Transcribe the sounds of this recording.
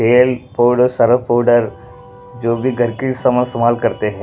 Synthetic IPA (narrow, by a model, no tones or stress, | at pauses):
eːlpoːɖosɐɾəpoːɖəɾ | d͡ʒoːbʱiɡʱɐɾkisɐməsəmaːlkɐɾt̪eɦɛ̃ː